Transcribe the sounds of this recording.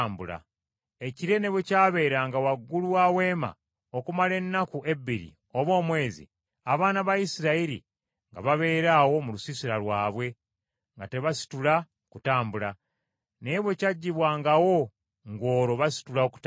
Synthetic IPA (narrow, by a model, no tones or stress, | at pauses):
mbula̰ | e̞ciɾe̞ne̞βwecaːβe̞ːɾaŋɡawaɡːuluwawe̞ːma̰ | okumale̞nːakuʔe̞bːiɾḭ | o̞βo̞ːmwe̞ːzḭ | aβaːnaβajisiɾaiɾḭ | ŋɡa̰βaβe̞ːɾaːwo̞mulusisiɾalwaːβwe̞ | ŋɡate̞βasi̥tula | kutaːmbula | ne̞ːβwe̞caɟːiβwaːŋɡawo̞ | ŋɡo̞ːɾo̞βasi̥tulaoku̥t